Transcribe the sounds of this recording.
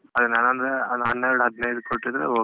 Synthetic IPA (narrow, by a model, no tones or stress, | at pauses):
ɐd̪ɐnːaːnɐnd̪ɾeɐnɦɐnːɐɾuɽɦɐd̪nɐjd̪ukoʈːid̪ɾeoː